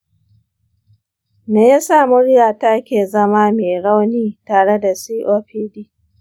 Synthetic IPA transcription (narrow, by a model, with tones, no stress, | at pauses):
neː˨ja˦sa˦˨mʊ˦ɽjaː˨ta˦kʲeː˨zɐ˦maː˦meː˨ɽa˦wniː˦taː˨ɽe˦da˨siː˦ʔoː˦ɸiː˦diː˦